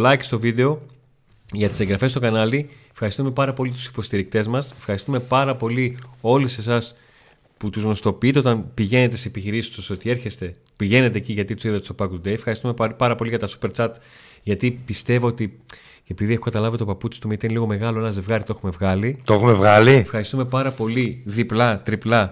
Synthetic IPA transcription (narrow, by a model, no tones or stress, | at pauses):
lɐjki̥st̪o̞viðe̞o̞ | ʝɐt̪i̥se̞ŋɡɾɐfe̞st̪o̞kɐnɐliefxɐɾist̪ume̞pɐɾɐpo̞liɐt̪u̥si̥po̞st̪iɾik̚t̪e̞zmɐsefxɐɾist̪ume̞pɐɾɐpo̞lio̞lise̞sɐs | put̪uzno̞st̪o̞piit̪e̞o̞t̪ɐnpiʝe̞ne̞t̪e̞seepiçiɾisi̥st̪oso̞t̪ie̞ɾçe̞st̪e̞ | piʝe̞ne̞t̪̬e̞ːciʝɐt̪it̪usiðɐt̪u̥sopɐkut̪ud̪ejefxɐɾist̪ume̞pɐɾɐpo̞liʝɐt̪ɐsu̥pe̞ɾt͡sɐt̪ | ʝɐt̪ipist̪e̞vo̞ot̪i | epiðiexokɐt̪ɐlɐvit̪opɐput͡si̥st̪umit̪ineliɣo̞me̞ɣɐloenɐze̞vɣɐɾit̪oe̞xume̞vɣɐlit̪oexumevɣɐliefxɐɾist̪ume̞pɐɾɐpo̞liðiplɐt̪ɾiplɐ